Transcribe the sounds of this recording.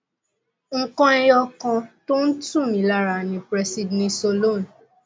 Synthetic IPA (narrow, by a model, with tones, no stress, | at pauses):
ŋ̩˦˨kɔ̃˦ɛ˦jɔ˧kɔ̃˧to˦n̩˦tũ˦˨mĩ˨˦la˦˨ɾa˨nĩ˧bɾɛ˧si˧dnĩ˧so˧lo˦˨n˨